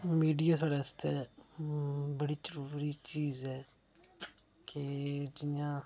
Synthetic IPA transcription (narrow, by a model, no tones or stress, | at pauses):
miːɖijaːt̪ʰaːɽeːəst̪ɛː | bəɽiːt͡ʃəɾuːɾiːt͡ʃiːzɛː | ked͡ʒɪjãː